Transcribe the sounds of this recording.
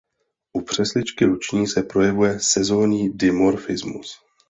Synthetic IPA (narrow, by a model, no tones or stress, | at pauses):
ʔupr̝̥ɛslɪt͡ʃkɪɾut͡ʃɲiːsɛpɾo̞jɛvujɛsɛzo̞ːɲiːdɪmoɾfɪzmṵs